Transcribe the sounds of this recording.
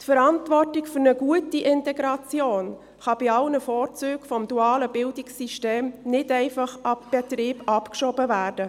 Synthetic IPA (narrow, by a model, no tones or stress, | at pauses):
tfəɾɑntvɔrtɪkfʏɾnəɡuətiʔɪntɛɡɾɑt͡sjoːn | χɑb̥ɪɑlnəfɔːɾt͡syːkfɔmduɑːləbɪldɪksiʃteːmnɪtɛɪfɑχɑb̥ɛt̪ɾiːbɑpkʃɔbəvæːrd̥ə